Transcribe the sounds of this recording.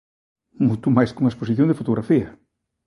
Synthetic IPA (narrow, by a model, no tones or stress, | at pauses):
mut̪umajskuŋɐespos̬iθjõŋd̪efot̪oɣɾafiɐ